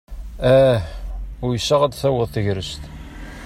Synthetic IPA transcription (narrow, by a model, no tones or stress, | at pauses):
æhʊɾjəsːæʁæd̪θæwəðˤθəʝɾəst̪